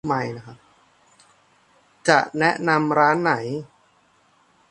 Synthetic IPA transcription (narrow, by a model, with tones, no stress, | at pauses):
ma˧jna˦˥kʰa˦˥p̚ | t͡ɕa˨˩ʔnɛ˦˥ʔna˧mɾaː˦˥nːa˩˦j